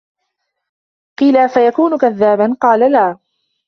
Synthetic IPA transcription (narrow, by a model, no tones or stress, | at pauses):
qiːlafajakuːnʊkaðːaːbanqɑːlalaː